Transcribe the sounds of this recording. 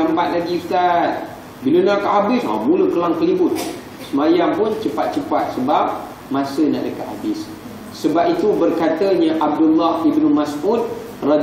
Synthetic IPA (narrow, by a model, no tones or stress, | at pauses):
ambat̪̚laɡipt̪at̪̚ | bilənakaʔhabɪsa̰hmũləkəlaŋt̪əlibʊt̪̚ | səmajampʊnt͡ʃəpat̪̚t͡ʃəpat̪̚səbap̚ | mãsəna̰ʔdəka̰ʔ̪habɪsː | əbap̚it̪ubərkat̪aɲaʔab̚dulːahibnumasʔud̪̚ | rɑd